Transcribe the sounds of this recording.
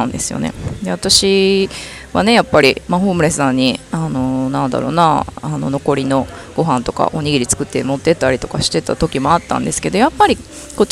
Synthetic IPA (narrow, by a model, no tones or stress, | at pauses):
nd̪e̞sɨjo̞̰ne̞̰d̪e̞βat̪aɕi | βa̰ne̞japːaɾʲimaɸoːmɾessãɲ̟ːiano̞nãnd̪a̰ɾo̞̰ːnaːno̞̰no̞ko̞ɾʲino̞ɡ̥o̞ɦãnt̪o̞ka̰ʔo̞ɲ̟iɡʲiɾʲit͡sɨ̥kɯ̟t̪ːemo̞t̪ːe̞t̪ːaɾʲit̪o̞kaɕi̥t̪e̞t̪at̪o̞kʲimo̞at̪ːã̰nd̪e̞sɨ̥ke̞d̪o̞japːaɾʲi | ko̞